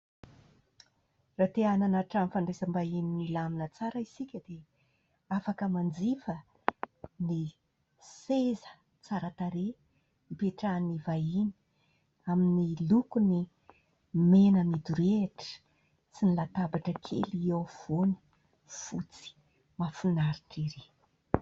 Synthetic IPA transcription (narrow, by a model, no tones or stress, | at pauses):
rat̪eananaʈ͡ʂanfaɳɖ͡ʐezəmbaininilaminət͡saɾəisikʲəd̪e | afakəmand͡zifə | ni | sezə̥ | t͡saɾət̪aɾe | mpeʈ͡ʂanivaini̥ | aminilukuni | menəmid̪uɾeʈ͡ʂə̥ | t͡sinilat̪abaʈ͡ʂəkʰḛliewv̥oni̥ | fut͡si̥ | mafunaɾiʈ͡ʂiɾe